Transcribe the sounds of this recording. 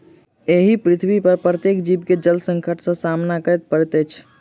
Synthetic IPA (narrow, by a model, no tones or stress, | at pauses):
eɦipɾit̪ʰbipəɾpɾət̪jekd͡ʒibked͡ʒəlsə̃ŋkʰəʈʰsə̃samnakəɾɛt̪̚pəɾɛt̪ɛt͡ʃʰ